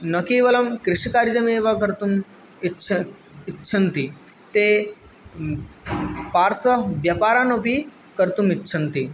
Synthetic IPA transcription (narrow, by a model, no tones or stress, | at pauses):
nɐkiːʋɐlɐmkɾɪʃkaːɾd͡ʒɐmeːʋakɐɾt̪um | it͡ʃʰɐ | ɪtːʃʰɐnt̪it̪eː | paːɾsɐʋjɐpaːɾaːnopi | kɐɾt̪umitːʃʰɐnt̪i